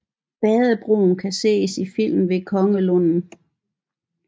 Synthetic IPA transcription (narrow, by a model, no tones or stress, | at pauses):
b̥ɛːðˠəb̥ʁo̝̰ːnkʰæse̝̰ːsifil̰mn̩ʋe̝kʰɒ̽ŋəlɔnn̩